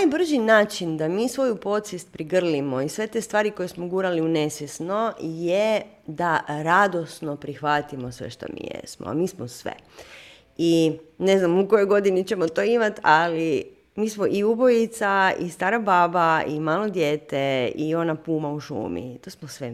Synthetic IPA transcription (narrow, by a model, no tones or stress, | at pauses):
najbr̩ʒinaːt͡ʃind̪amiːsʋo̞jupo̞t̪sist̪̚pɾiɡr̩limo̞isʋe̞t̪e̞st̪ʋaːɾiko̞jesmoɡuːɾaliunesʋjesno̞je | d̪aɾad̪o̞sno̞pɾixʋat̪imo̞sʋḛʃt̪o̰mḭjḛsmo̰a̰miːsmosʋḛ | ine̞znamukojojɡo̞d̪init͡ɕemot̪o̞imat̪ali | miːsmoʔiubo̞jit̪saḭst̪aːɾabaːbaimaːlo̞d̪jeːt̪eio̞napuːmauʃṵːmḭt̪oːsmosʋe